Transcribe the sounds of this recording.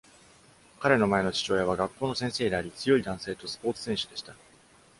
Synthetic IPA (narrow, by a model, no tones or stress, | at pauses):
kaɾe̞no̞mae̞no̞t͡ɕi̥t͡ɕo̞ːjaβ̞aɡakːo̞ːno̞sẽɰ̃se̞ːd̪eaɾʲit͡sɨjo̞id̪ãɰ̃se̞ːt̪o̞sɨ̥po̞ːt͡sɨ̥sẽ̞ɰ̃ɕɨd̪e̞ɕi̥t̪a